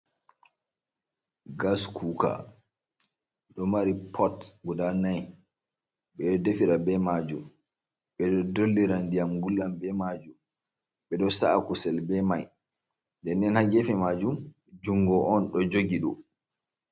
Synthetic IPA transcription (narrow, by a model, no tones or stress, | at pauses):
ɡaskʰuka̰ | ɗɔmaɾipʰɔtɡudanaj | ɓɛdefiɾabɛmad͡ʒum | ɓɛɗɔdolːiɾandijamɡulːambɛmad͡ʒum | ɓɛɗɔsa̰ʔakusɛlbɛmaj | ndɛnːɛnhaɡɛfɛmad͡ʒum | d͡ʒuŋɡɔʔːnɗɔd͡ʒoɡiɗɔ